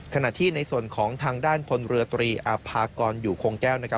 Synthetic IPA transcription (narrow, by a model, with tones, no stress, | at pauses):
kʰa˧na˨˩ʔt̪ʰiː˥˩na˧jsu˨˩ənkʰɔː˩˦ŋt̪ʰaː˧ŋdaː˥˩npʰo˧nɾɯ˧ɐt̪ɾiː˧ʔa˧pʰaː˧kɔː˧njuː˨˩kʰoː˧ŋkɛː˥˩wna˦˥kʰa˦˥